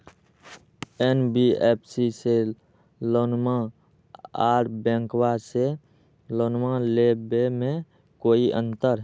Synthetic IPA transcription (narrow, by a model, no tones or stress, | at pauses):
enbieːpʰsise | loːnmã | aːɾbɛ̃ŋkwase | loːnmãlebemẽ | koːiʔə̰̃nt̪əɾ